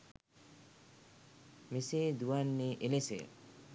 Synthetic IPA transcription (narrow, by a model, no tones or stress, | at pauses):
meseːd̪uanːeʔelesḛ